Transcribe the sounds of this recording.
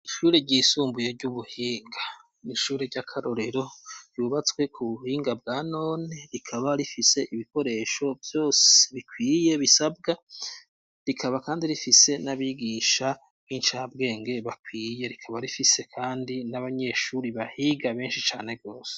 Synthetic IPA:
iʃuːɾe̞ɟiːsuːmbujeɾɟuβuhiːŋɡḁ | niʃuːɾeɟakʰaɾo̞ɾe̞ɾo̞ɾjuβat͡swe̞kʰuβuhiːŋɡabɡaːno̞ːne̞ɾikʰaβaɾifise̞ʔiβiko̞ɾe̞ːʃo̞vjo̞ːse̥βikwiːje̞βisabɡa | ɾikʰaβakaːndiɾifise̞naβiɡiːʃa | βinʃabɡe̞ːŋɡe̞βakwiːje̞ɾikʰaβaɾifise̞kʰaːndinaβaɲe̞ʃuːɾiβahiɡaβe̞ːnʃit͡ʃa̰ːne̞ɡo̞ːse̥

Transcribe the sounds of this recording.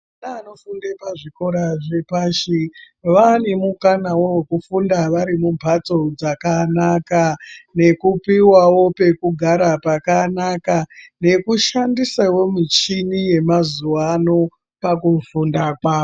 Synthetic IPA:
anaːnofundepaʐiko̞ɾaʐepaːʃi | ʋanemukanawowe̞kufundaʋaɾimumbʱat͡sod͡zakanakane̞kupiwawo̞pe̞kuɡʱaɾapakanakane̞kuʃandisawo̞mit͡ʃinije̞mazuwano̞ | pakufundakwaːwo

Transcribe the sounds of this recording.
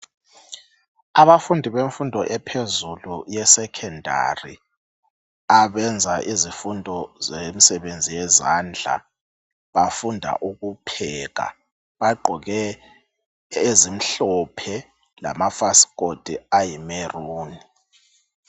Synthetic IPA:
aβafundʱiβeɱfundʱɔʔɛpʰezulujɛsɛkʰɛndʱa̰rḭ | aβɛnd͡zʱaʔizifundʱɔzemisɛβend͡zʱijɛza̰nd͡ɮʱa̰ | βafundʱa̰ʔuɣupʰɛːɣa̰ | βaɡ͡ǃʱɔɣɛ | ezim̩ɬɔpʰɛ | la̰mafasɣ̥od̥ʱiajimeruːni

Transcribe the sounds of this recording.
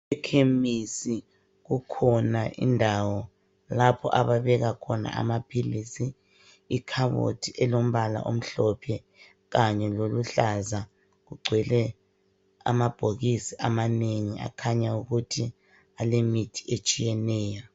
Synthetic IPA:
ɛkʰemisi | ɣukʰɔnaʔḭndʱawɔ | lapʰɔ̰ʔaβaβɛɣakʰɔna̰a̰mapʰilisiː | kʰaβo̰tʰiʔɛlom̩βala̰ʔom̩ɬɔpʰɛ | ɣaɲɛloluɬaza | ɣuɡ͡ǀʱwɛlɛ | a̰mab̥ʱoɣisiʔamaneŋia̰kʰaɲauɣutʰi | alemitʰi̥et͡ʃʼijɛnɛːja

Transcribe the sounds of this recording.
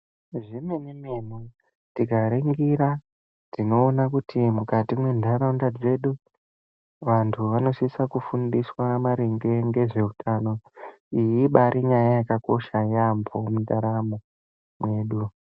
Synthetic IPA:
ʐimenimemu | tiɡaɾeŋɡiɾa | tino̞ːnakutʰimukatimwe̞ndʱaɾaundad͡ze̞ɗu | ʋantʰuʋano̞sisakufundiswamaɾiŋɡe̞ŋɡe̞ʐe̞utʰano̞ | ijiɓaɾiɲajajakako̞ʃajampʰomundaɾamo | mwe̞ːɗu

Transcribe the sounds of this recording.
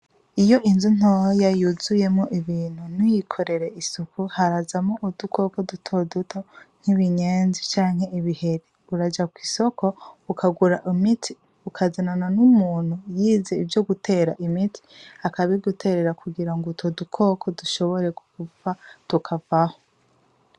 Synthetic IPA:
ijo̞ʔinzun̥ohojajuzuje̞mŋoʔiβiːn̥hunijikʰo̞ɾe̞ɾe̞isukuhaɾazamoʔudukʰo̞ko̞dutʰodutʰo̞ŋ̥hiβiɲe̞ːnzit͡ʃaːŋ̥he̞iβihe̞ɾi | uɾad͡ʒakwiso̞ko̞ukʰaɡuɾaʔimitʰi | ukʰazinananumuːn̥hujiːze̞ivjoɡutʰe̞ːɾa̰ʔimitʰi̥akaβeɡutʰe̞ːɾe̞ɾakuɡiɾaŋɡutʰodukʰo̞kʰo̞duʃo̞βo̞ɾe̞ɡokuvatukʰavaho̞

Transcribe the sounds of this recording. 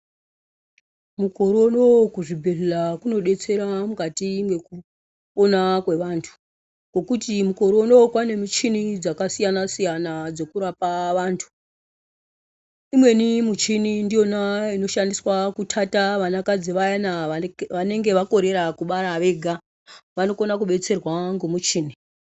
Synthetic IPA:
muko̞ɾonokuʐibʱeɮelakuno̞ɗe̞t͡se̞ɾamukatiŋɡe̞ku | onakwe̞ʋaːntʰu̥ | ko̞kutimuko̞ɾono̞okwane̞mit͡ʃinid͡zakasijanasijanad͡zo̞kuɾapaʋaːntʰu̥ | imwe̞nimut͡ʃinindijo̞naino̞ʃandiswakutʰataʋanakad͡ziʋajanaʋane̞ŋɡe̞ʋako̞ɾe̞ɾakuɓaɾaʋe̞ɡʱa | ʋano̞konakuɓe̞t͡se̞rwaŋɡomut͡ʃiːni

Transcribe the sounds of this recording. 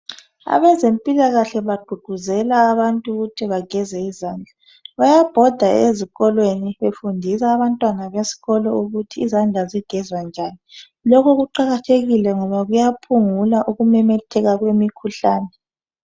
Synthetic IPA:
a̰βɛzempʼilaɣaɬɛβaɡ͡ǃʱuɡ͡ǃ̥ʱuzɛlaːβantʼuɣutʰiβaɡ̥ʱɛzɛizaːnd͡ɮʱa | βajab̥ʱɔd̥ʱaeziɣɔlweniβefundʱis̬aːβantʼwanaβesi̥ɣɔlɔuɣutʰiːzand͡ɮʱaziɡ̥ʱɛzwand͡ʒʱani | lɔkʰɔɣuǃaɣatʰeɣilɛŋɔβaɣujapʰuŋulaʔuɣumɛmɛtʰɛɣaɣwemikʰuɬaːnɛ

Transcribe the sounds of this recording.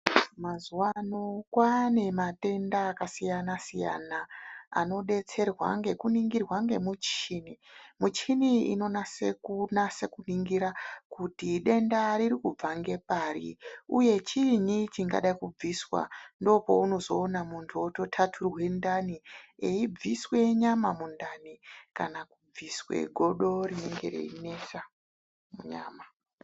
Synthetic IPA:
mazuwano̞kwane̞mate̞ndaːkasijanasija̰naa̰no̞ɗe̞t͡se̞rwa̰ŋɡe̞kuniŋɡirwaŋɡe̞mut͡ʃinimut͡ʃiniḭno̞nasekunase̞kuniŋɡiɾakutiɗe̞ndaɾiɾikub͡vaŋɡe̞parḭuje̞t͡ʃiɲit͡ʃiŋɡa̰ɗaikub͡viswa̰ndo̞po̞uno̞zo̞ːnamuntʰuoto̞tʰatʰurwe̞ndanieib͡viswe̞ɲamamundanikanakub͡viswe̞̰ɡʱo̞ɗo̞rine̞ŋɡe̞̰rḛine̞sa | muɲa̰ːma

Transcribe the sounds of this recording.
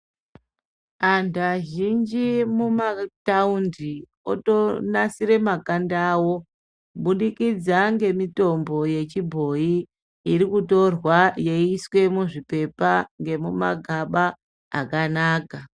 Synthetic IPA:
andaʒind͡ʒimumataundi | o̰tonasiɾe̞makandaːwo̞ | ɓuɗikid͡zaŋɡe̞mito̞mbo̞je̞t͡ʃibʱo̞iː | rikuto̞rwaje̞iswe̞muʐipe̞paŋɡe̞muma̰ɡʱaɓa | a̰kanaːka

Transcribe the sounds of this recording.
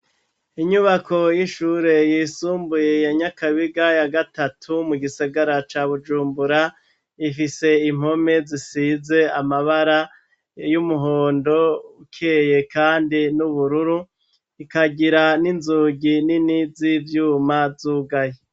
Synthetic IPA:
iɲuβako̞jiʃuːɾe̞jiːsuːmbuje̞jaɲakaβiɡajaɡatatʰumuɡisaɡaɾat͡ʃaβud͡ʒuːmbuɾa | ifise̞im̥ho̞me̞zisiːze̞amaβaɾa | jumuɦoːndo̞ukʰeje̞kaːndinuβuɾuɾu | ikaɡiɾaninzuːɡininizivjuːmazuːɡaje

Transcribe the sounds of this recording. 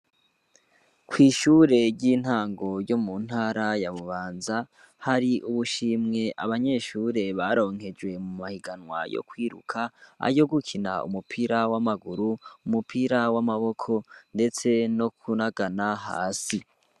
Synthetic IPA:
kwiːʃuːɾe̞ɾɟiːn̥haːŋɡo̞ɾjo̞mun̥haːɾajaβuβaːnza | haɾiʔuβuʃiːmŋe̞ʔaβaɲe̞ʃuːɾe̞βaɾo̞ːŋhe̞d͡ʒwe̞mumahiɡanwa̰jo̰kwiːɾṵkʰaa̰jo̞ɡukʰina̰ṵmupʰiɾawamaɡuɾuːmupʰiɾawamaβo̞kʰo̞nde̞t͡se̞no̞kʰunaɡanaɦa̰ːsi

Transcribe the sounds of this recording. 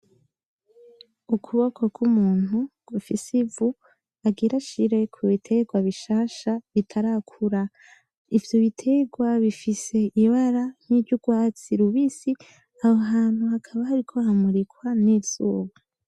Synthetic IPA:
ukʰuβokʰo̞ɡumuːn̥uɡ̥ufisivu | aɡiɾaʃiɾe̞kʰuβitʰe̞ɡwaβiʃaːʃaβitʰaɾakʰuɾa | ivjoβitʰe̞ɡwaβifise̞iβaɾan̥hibɟuɡwaːt͡siɾuβiːsi | ahoɦaːn̥huhakʰaβahaɾikʰo̞hamuɾikwanizuːɡwa

